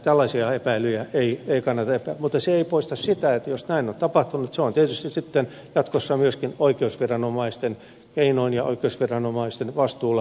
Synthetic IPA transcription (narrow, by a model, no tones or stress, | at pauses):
t̪ælːɑsiɑepæilyjæeieikɑnːɑt̪ɑepæːmut̪ːˑɑseeipoist̪ɑssit̪æet̪ːæjosnæinont̪ɑpɑht̪unːut̪seont̪iet̪yst̪isit̪ːen | jɑt̪kosːɑmyøskinoikeusʋirɑnomɑist̪en | keinoinjɑo̰ikeusʋirɑnomɑist̪enʋɑst̪uːlɑ